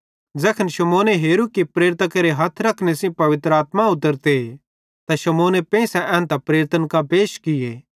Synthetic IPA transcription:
d͡zɛːkʰənʃɐmoːneɦeːɾukipɾeːɾɪt̪akɐɾeɦɐt̪ʰɾɐkʰnesĩpɐʋɪt̪ɾəaːt̪maʊt̪əɾt̪e | t̪aʃɐmoːnepɛ̃ːsɛʔɛ̃ːnt̪apɾeːɾɪt̪ənkapeːʃkɪeː

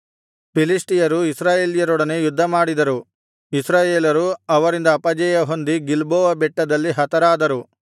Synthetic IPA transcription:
pilisʈijɐɾuisɾaːjeːlijɐɾɔɽɐnejud̪ʱːɐmaːɽid̪ɐɾu | isɾaːjeːlɐɾuɐʋɐɾind̪ɐːpɐd͡ʒɛjɐɦo̞nd̪iɡilboːʋɐbɛʈːɐd̪ɐlːiɦɐt̪ɐɾaːd̪ɐɾu

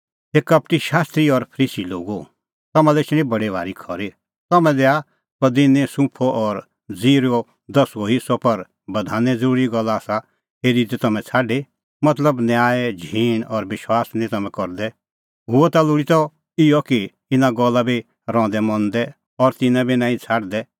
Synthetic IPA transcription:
eːkɐpʈiʃaːst̪ɾiɔɾpʰəɾiːsilo̰ːɡu | t̪ɐmãlɛɪt͡ʃɽ̃ĩbɐɽeʋʱa̰ːɾikʰɔɾi | t̪ɐmɛ̃lea | pɐd̪ɪnẽsũpʰɔʔɔɾ | d͡ziːɾo | d̪ɐsoɦɪsɔpɐɾ | bɐd̪ʱaːnɛ̃d͡zɐɾuːɾiɡɔlːaːsa | ɦeːɾid̪ɛt̪ɐmɛ̃t͡sʰaːɖe | mɐt̪ləbnjaːed͡ʒʱiːnɔɾʋɪʃwaːsnĩt̪ɐmɛ̃kɔɾd̪ɛ | ɦʊɔt̪alʊɽit̪ɔ | ɪjɔki | ɪnaɡɔlːabi | ɾɔ̃ːd̪ɛmɔ̃nd̪ɛ | ɔɾt̪ɪnãbʱinãːĩt͡sʰaːɖd̪ɛ

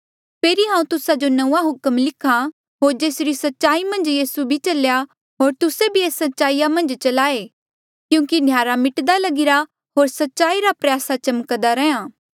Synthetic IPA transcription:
pʰeːɾiɦãːũt̪ʊsad͡ʒonɐũaɦʊkəmlɪkʰa | ɦoːɾd͡ʒeːsɾisɐtːʃaːimɐ̃nd͡ʒjiːsubʱit͡ʃɐlja | ɦoːɾt̪ʊsebʱieːsɐtːʃaːijamɐ̃nd͡ʒt͡ʃɐlaːe | kjũːkinʱjaːɾamɪʈd̪alɐɡɪɾa | ɦoːɾsɐtːʃaːiɾapɾjaːsat͡ʃɐməkd̪aɾɛãː

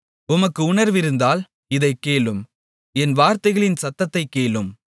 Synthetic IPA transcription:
ʊmɐkːɯʊɳɐɾʋɪɾɯnd̪aːl | ɪðɐɪkːeːɭɯm | ɛnʋaːɾt̪ɐɪɣɐɭɪnsɐt̪ːɐt̪ːɐɪkːeːɭɯm

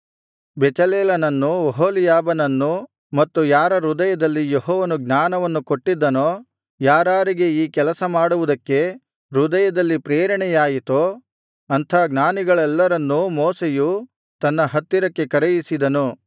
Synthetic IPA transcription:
bɛt͡ʃɐleːlɐnɐnːuʋɐɦoːlijaːbɐnɐnːu | mɐt̪ːujaːɾɐɾud̪ɐjɐd̪ɐlːijeɦɔːʋɐnuɡnaːnɐʋɐnːukoʈːid̪ːɐnoː | jaːɾaːɾiɡe̞iːkɛlɐsɐmaːɽuʋud̪ɐkːe̞ | ɾud̪ɐjɐd̪ɐlːipɾeːɾɐɳɛjaːjit̪o | ɐnt̪ʰɐːɡnaːniɡɐɭɛlːɐɾɐnːumoːseju | t̪ɐnːɐɦɐt̪ːiɾɐkːe̞kɐɾejisid̪ɐnu

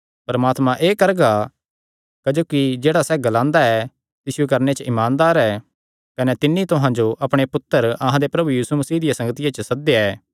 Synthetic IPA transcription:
pɐɾɐmaːt̪mãʔeːkɐɾɡa | kɐd͡ʒoːkid͡ʒeːɽasɛɡɐlãːnd̪aɛ | t̪ɪʃukɐɾnet͡ʃəʔɪmãːnd̪aːɾɛː | kɐnet̪ɪnːit̪ʊɦãd͡ʒoʔɐpɽ̃epʊt̪ːəɾɐɦãd̪epɾɐbujiːsumɐsiːd̪ɪijasɐ̃ŋɡət̪ɪjat͡ʃəsɐd̪eɛː

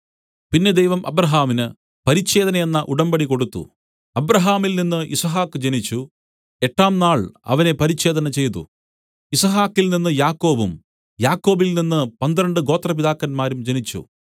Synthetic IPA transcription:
pinːe̞d̪ejʋɐmʔɐbɾɐɦaːminɨ | pɐɾit͡ɕːe̞ːðɐnɐje̞nːɐʔuɽɐmbɐɽiko̞ɽut̪ːṵ | ɐbɾɐɦaːmilninːɨʔisɐɦaːkːɨd͡ʑenit͡ɕːu | e̞ʈːaːmnaːɭɐ̰ʋɐne̞pɐɾit͡ɕːe̞ːd̪ɐnɐt͡ɕe̞jt̪ṵ | isɐɦaːkːilninːɨjaːkːo̞ːbum | jaːkːo̞ːbilninːɨpɐnd̪ɾɐɳɖɨɡo̞ːt̪rɐpiðaːkːɐnmaːɾumd͡ʑenit͡ɕːṵ

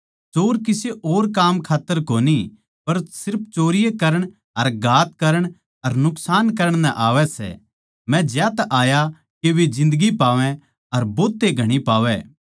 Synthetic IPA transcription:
t͡ʃoːɾkɪseʔoːɾkaːmkʰaːt̪ːəɾkoːni | pɐɾsɪɾp̚ʰt͡ʃoːɾɪjekɐɾəɽ̃ | ɐɾɡʱaːt̪̚kɐɾəɽ̃ | ɐɾnʊksaːnkɐɾəɽ̃nɛ̃ʔaːʋɛsɛ̰ | mɛ̃d͡ʒjaːt̪ʔaːja | keʋed͡ʒɪ̃nd̪əɡipaːʋɛ̃ | ɐɾboːt̪ːeɡʱɐɽ̃ipaːʋɛ

